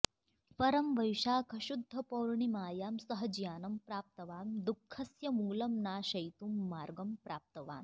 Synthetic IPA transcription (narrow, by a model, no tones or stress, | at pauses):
pɐɾɐmʋɐjʃaːkʰɐʃud̪ʱːɐpɐwɾɳimaːjaːmsɐɦɐd͡ʒjaːnɐmpɾaːp̚t̪ɐʋaːmd̪ukʰːɐsjɐmuːlɐmnaːʃɐjt̪uːmːaːɾɡɐmpɾaːp̚t̪ɐʋa̰ːn